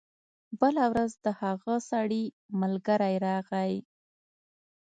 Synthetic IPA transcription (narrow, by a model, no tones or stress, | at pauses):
bəlawɾazd̪əhaɣasaɽi | məlɡəɾajɾɑɣaj